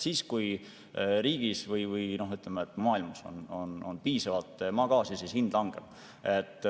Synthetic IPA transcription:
siːskuj | ɾiːɡ̥isvɯjvɯjno̞ɦyt̪ːˑlemeet̪ːˑmɑːilmɑso̞̰no̞no̞npiːsɑvɑlt̪ːˑmɑːɡ̥ɑːsisiːshind̪̥lɑŋɡ̥ḛb̥ | et̪ːˑ

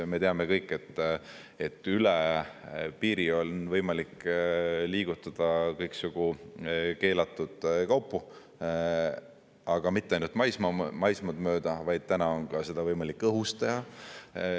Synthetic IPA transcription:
me̞t̪eɑme̞kɤjkːˑe̞t̪ː | e̞t̪ːˑyle | piːɾio̞nvɤjmɑlikː | liːɡ̥ut̪ːˑɑd̪̥ɑkɤjksuɡ̥u | ke̞ːlɑt̪ːˑud̪̥kɑwpːˑu | ɑɡ̥ɑmit̪ːeɑjnult̪mɑjsmɑmɑjsmɑd̪mø̞ːd̪̥ɑvɑjd̪̥̚t̪ænɑo̞nkɑse̞d̪̥ɑvɤjmɑlikːɤɦust̪ehɑ

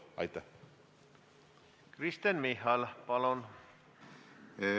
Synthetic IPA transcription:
ɑ̰jt̪ːa | krist̪ənmihɑlpɑlon

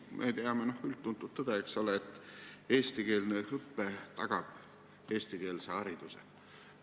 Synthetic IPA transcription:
mʔḛt̪eɑmeno̞hylt̪ːunt̪ːut̪ːod̪̥eeksoleet̪ːˑeːst̪ike̞ːlnehɤpːet̪ɑɡ̥ɑb̥ | eːst̪ike̞ːlseɑɾid̪̥usḛ

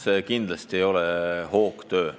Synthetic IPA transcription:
seːkind̪lɑst̪iejo̞lɛho̞ːkt̪ø̞ː

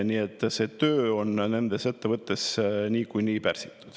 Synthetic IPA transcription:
niːet̪ːˑse̞ːt̪øːo̞nne̞nd̪e̞se̞t̪ːevɤt̪ˑːe̞sniːkujniːpærsi̥t̪ːˑu̥d̪̥

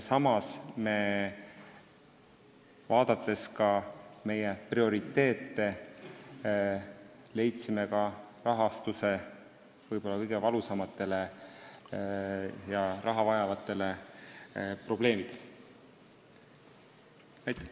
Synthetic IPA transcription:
sɑmɑsme̞ | vɑːd̪̥ɑt̪ːˑe̞skɑme̞jeprio̞ɾit̪ːe̞ːt̪ːe̞ | le̞jt̪sime̞kɑrɑɦɑst̪use̞ | vɤjb̥o̞lːɑkɤjɡ̥e̞vɑlusɑmɑt̪ːˑe̞le̞ | jɑɾɑɦɑvɑjɑvɑt̪ːˑe̞le̞ | pro̞b̥le̞ːmid̪̥el | næjt̪ːˑe

